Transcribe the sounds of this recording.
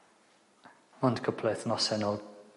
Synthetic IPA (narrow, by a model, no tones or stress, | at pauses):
mɔndkʰəpʰlɛθnɔsɛnɔlˠ